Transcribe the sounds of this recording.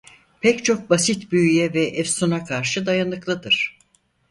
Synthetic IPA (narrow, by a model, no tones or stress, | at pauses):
pʰɛct͡ʃʰo̞k̚basit̪byjyjɛvɛʔɛfsunakʰaɾʃɯd̪ajanɯklˠɯd̪ɯɾ̥